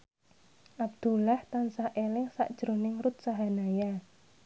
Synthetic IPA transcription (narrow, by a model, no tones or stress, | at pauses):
ʔab̚d̪̥ulaht̪ansaʔelɪŋsa̰ʔd̥ʒ̥ɾonɪŋɾut̪̚saɦanaja